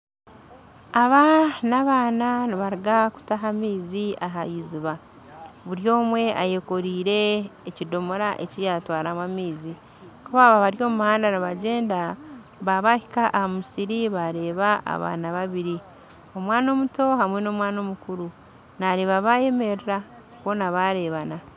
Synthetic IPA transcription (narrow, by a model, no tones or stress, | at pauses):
aβanaβaːnaniβaɾiɡaku̥taɦamiːziʔaɦajiziβa | βuɾjo̞ːmwe̞ʔajeko̞ɾiːɾe̞ːcido̞moɾaʔe̞̰cijatwaːɾamwamiːzi | kuβaβaβaɾjo̞ːmmuhaːndaniβaɟe̞ːnda | βaβahikaʔahamusiɾiβaɾe̞ːβaʔa̰βa̰ːnaβaβiɾi | o̞mwaːno̞muto̞ɦamwe̞no̞ːmwaːno̞mukuɾu | naɾe̞ːβaβaje̞me̞ɾiɾa | kwo̞naβaɾe̞βana